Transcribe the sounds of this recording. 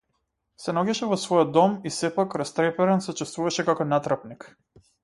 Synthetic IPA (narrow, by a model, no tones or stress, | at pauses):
sɛnɔɡɛʃɛvɔsvɔjɔd̪ːɔmisɛpakɾast̪ɾɛpɛɾɛnsɛt͡ʃɛst̪vuvaʃɛkakɔnat̪ɾapnik